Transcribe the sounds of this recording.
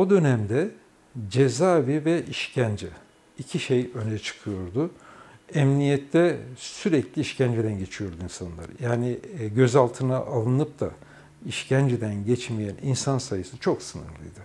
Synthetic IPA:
o̞d̪ø̞næmd̪ɛ | d͡ʒezaːbivɛʔiʃcʰænd͡ʒɛ | icʰiʃejø̞nɛt͡ʃʰɯ̥kʰɯjo̞ɾd̪ʊ | ɛmnijɛt̪ʰːɛsyɾɛclʲiiʃcænd͡ʒid̪ænɟe̞t͡ʃʰijo̞ɾd̪uinsanlˠa̰ɾjaːniɟø̞zalˠt̪ʰɯnaʔalˠɯnɯp̚d̪ʰa̰ | iʃcʰænd͡ʒid̪ænɟɛt͡ʃmijæninsansajɯsɯt͡ʃʰo̞ksɯnɯ̰ɾlˠɯ̰jd̪ɯ

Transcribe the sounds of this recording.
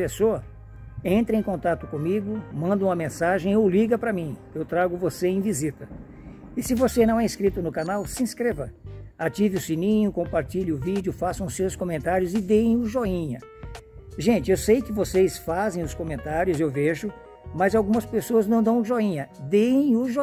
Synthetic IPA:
pesoɐ | ẽnt̪ɾɐẽj̃kõnt̪at̪ʊkõmiɡʊmɐ̃nd̪ũmɐmẽsaʒẽj̃ʊliɡɐpɾɐmĩewt̪ɾaɡʊvoseẽj̃vizit̪ɐ | ɪsɪvosenɐ̃w̃ɛĩskɾit̪ʊnʊkanawsɪĩskɾevɐat͡ʃivɪʊsinĩɲʊkõpaɾt͡ʃiʎɪʊvid͡ʒʊfasɐ̃w̃ʊsewskõmẽnt̪aɾjʊzɪd̪ejẽj̃ʊʒoĩɲɐ | ʒẽnt͡ʃɪewsejkɪvosejsfazẽj̃ʊskõmẽnt̪aɾjʊzewveʒʊ | mɐzawɡũmɐspesoɐznɐ̃w̃d̪ɐ̃w̃ʊʒoĩɲɐd̪ejẽj̃ʊʒo

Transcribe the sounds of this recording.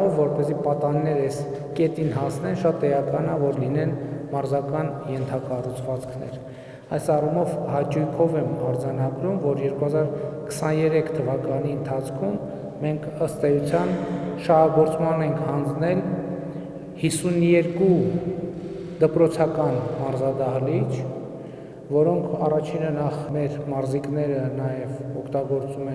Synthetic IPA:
ɔvːɔɾpɛzipɑt̪ɑnːɛɾɛs | kɛt̪inɦɑsnɛnʃɑt̪ɛɑkɑnɑvɔɾlinɛnmɑɾzɑkɑnjɛnt̪ʰɑkɑrut͡sʰvɑt͡skʰnɛ̰ɾ | ɑjsɑrumɔvhɑt͡ʃujkʰɔvɛmɑɾd͡zɑnɑɡɾumvɔɾjɛɾkuhɑzɑɾkʰə̥sɑnjɛɾɛkʰt̪ʰəvɑkɑniənt̪ʰɑt͡sʰkʰumː | ɛŋkʰəst̪ɛjut͡sʰjɑnʃɑhɑɡɔɾt͡smɑnɛŋkʰhɑnd͡znɛl | hisunjɛɾku | d̪əpɾɔt͡sʰɑkɑnmɑɾzɑd̪ɑɦlit͡ʃʰ | vɔɾɔŋkʰɑrɑt͡ʃʰinənɑχmɛɾmɑɾziknɛɾənɑjɛvɔkʰt̪ɑɡɔɾt͡sumɛ

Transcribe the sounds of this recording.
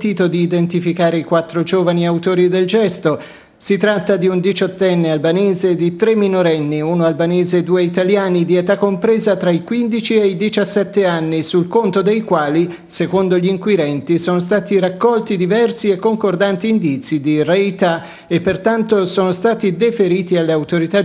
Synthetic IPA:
t̪iːt̪od̪iːd̪ent̪ifikaːɾeikwat̪ːɾod͡ʒoːvaniawt̪oːɾid̪eld͡ʒɛst̪o | sit̪ɾat̪ːad̪iund̪it͡ʃɔt̪ːɛnːealbaneːzed̪it̪ɾemːinoɾɛnːiunoalbaneːzed̪uːeit̪aljaːnid̪iet̪akːompɾeːzat̪ɾaikwind̪it͡ʃieid̪it͡ʃasːɛt̪ːeanːisulkont̪od̪ejkwaːli | sekond̪oʎiŋkwiɾɛnt̪isoːnost̪aːt̪iɾakːɔlt̪id̪ivɛrsiekːoŋkord̪ant̪iːnd̪it̪sːid̪irejt̪a | epːert̪ant̪osoːnost̪aːt̪id̪efeɾiːt̪ialːeawt̪oɾit̪a

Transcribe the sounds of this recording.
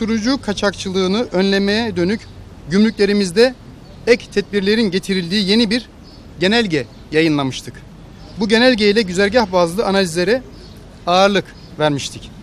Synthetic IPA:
suɾud͡ʒuːkʰat͡ʃʰakt͡ʃʰɯlˠɯːnɯʔønlʲe̞mejɛd̪ø̞nyc | ɟymlʲycʲlʲe̞ɾimizd̪ɛ | ɛct̪ʰɛt̪̚biɾlʲe̞ɾinɟe̞t̪ʰiɾilʲd̪iːje̞nibiɾ | ɟe̞nælʲɟɛ | jajɯnlˠamɯʃt̪ʰɯk | buɟe̞nælʲɟejilʲɛɟyzæɾʲɟahbazlˠɯanalʲizlʲe̞ɾɛ | aːɾlˠɯk | væɾmiʃt̪ʰic

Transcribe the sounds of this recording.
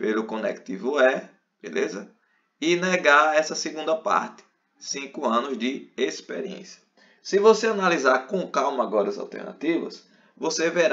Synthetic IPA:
pelʊkõnɛ̰kt̪ḭvʊɛ | b̥ḛlʔezɐ | ɪnɛɡaɾɛsɐsɪɡũnd̪ɐpa̰ɾt̪ɪ̥ | sĩkʊɐ̃nʊzd͡ʒɪespḛɾiḛ̃sjɐ̥ | sɪvoseanalizaɾkõkawmɐaɡɔɾɐza̰wt̪ɛ̰ɾna̰t̪ivɐ̰s | voseveɾ

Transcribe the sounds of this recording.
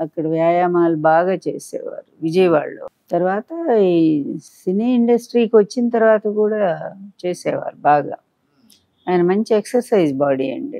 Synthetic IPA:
ɐkːɐɽɐʋjaːjaːmaːlubaːɡaːt͡ʃeːsɛ̰ːʋa̰ːɾuʋid͡ʒɐjʋa̰ːɭːo̰ːt̪ɐɾʋaːt̪ɐ | siniːiɳɖɐsʈɾiːkiʋɐt͡ʃːinɐt̪ɐɾʋaːt̪ɐkuːɽaːt͡ʃe̞ːsɛːʋa̰ːɾubaːɡa̰ː | aːjnɐmɐɲt͡ʃieksɐɾsɐjd͡ʒbaːɽiɐ̰ɳɖi

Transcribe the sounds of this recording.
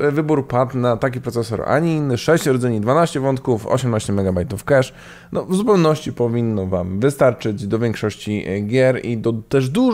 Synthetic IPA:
vɘbuɾpat̪nat̪ak̬ʲipɾɔt̪sɛsɔ̰ɾ̰ʔa̰ɲinːʂɛɕt͡ɕɾɔd̪zɛɲid̪vanaɕt͡ɕɛvɔnt̪̚kufɔ̰ɕɛmnaɕt͡ɕɛmɛɡabajt̪ufkɛʂ | nɔvzupɛwnɔɕt͡ɕipɔvʲinːɔvamvɘst̪aɾt͡ʂɘd͡ʑd̪ɔvʲjɛŋkʂɔɕt͡ɕiɡʲjɛɾḭd̪ɔt̪ɛʐd̪u

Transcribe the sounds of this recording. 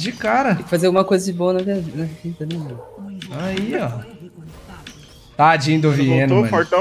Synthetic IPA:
d͡ʒɪkaɾɐɪfazeɐwɡumɐkojzɐd͡ʒɪbõw̃ɐnɐt̪iɐvnɐvid̪ɐmẽ | aiɔ | t̪aad͡ʒĩd̪ʊʊviẽnʊmɐ̃oɾt̪ɐ̃

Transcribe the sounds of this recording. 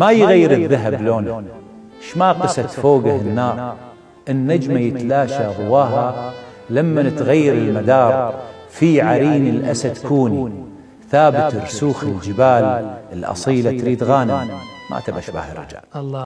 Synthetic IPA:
majɣajːɪɾəðːaɦabloːn | ʃmaqɨsat̪foːɡahɪnːɑːɾˤ | ʔɪnːad͡ʒmajɪt̪laːʃaɣʊwaːɦa | lamːanɪt̪ɣajːɪɾɪlmad̪ɑːɾˤ | fiʕaɾiːnəlʔa̰sad̪kuːni | θaːbɪt̪ɨɾsuːxəld͡ʒɪbaːləlʔɑ̰sˤiːlat̪ɾiːd̪ɣaːnamʔa̰t̪abaʃba̰ːhɾˤɑ̰d͡ʒa̰ʕ

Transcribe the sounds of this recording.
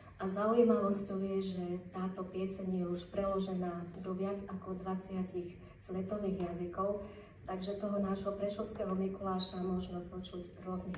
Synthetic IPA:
ʔazaujimaʋɔscɔʊjɛʒɛt̪aːt̪ɔpɪɛsɛɲjɛuʃpɾɛlɔʒɛnaːd̪ɔʋɪad͡zakɔd̪ʋat͡sɪacix | sʋɛt̪ɔʋiːɣjazikɔʊ | t̪aɡʒɛt̪ɔɦɔnaːʒɦɔpɾɛʃɔʊskɛːɦɔmikulaːʃamʊɔʒnɛpɔt͡ʃuɟɾʊɔzni

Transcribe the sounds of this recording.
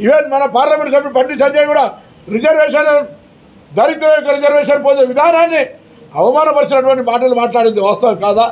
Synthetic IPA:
iʋenmɐnɐpaːɾlɐmeɳʈsɐmːipɐɳɖisɐɲd͡ʒɐjɡuːɽaː | ɾid͡ʒɐɾʋeːʂɐnɐ | d̪ɐɾit̪ːɐɾɐjɔkːɐɾid͡ʒɐɾʋeːʃɐnpoːd͡ʒeʋid̪ʱaːnaːnːi | ɐʋɐmaːnɐpɐɾʂɐnɐʈuʋɐɳʈimaːʈ̬ɐlumaːʈlaːɽind̪iʋaːst̪ɐʋɐŋkaːd̪aː

